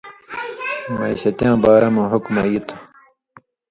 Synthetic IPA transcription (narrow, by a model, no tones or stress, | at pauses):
mɐiɕɐt̪jãːbaːɾɐmɐɦukmɐjit̪ʰu̥